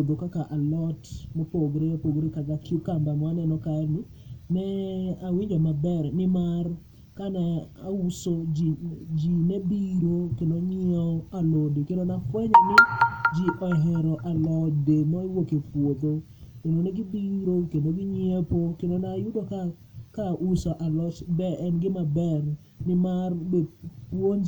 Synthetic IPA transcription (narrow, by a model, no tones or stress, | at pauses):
od̪okakaʔalɔtmɔpoɡɾepoɡɾekakakʊkambamwanɛnɔkanɪ | nɛawiɲd͡ʒɔmabɛrnɪmar | kanɛausod͡ʒd͡ʒinebiɾokendoɲɛɔalodikendonafwɛɲɔnɪd͡ʒiʔɔɦɛɾɔʔalɔd͡ʒdemɔiwokepwod̪o | kendonɛɡɪbiɾokendoɡɪɲepokendonajʊdoka | kaʔusɔʔalɔt͡ʃbɛɛnɡɪmabɛr | nɪmarbepwon